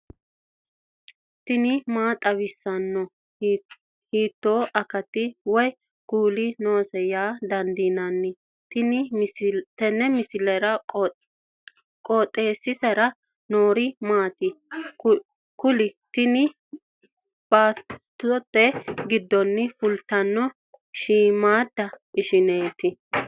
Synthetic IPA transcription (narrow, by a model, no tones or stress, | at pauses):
t̪ɪnɪmaːt̪ʼɐwɪsːɐnːɔ | hiːt̪ːoːʔɐkɐt̪ːɪwɔj | ɡ̥uːlɪno̞ːsɛjaːd̪ɐnd̪iːnɐnːɪ | t̪ɪnɪt̪ɛnːɛmɪsɪlɛɾɐ | kʼoːt̪ʼːe̞ːsːɪsɛɾɐ | noːɾɪmaːt̪ɪ | kʊlɪt̪ɪnɪ | b̥aːt̪ː | ʊt̪ːɛɡɪd̪ːɔnːɪfʊlt̪ːɐnːɔ | ʃiːmaːd̪ːɐʔɪʃɪneːt̪ɪ